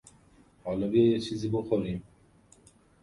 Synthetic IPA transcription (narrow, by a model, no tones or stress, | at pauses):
hɔlɔbiejet͡ʃʰiziboxoɾim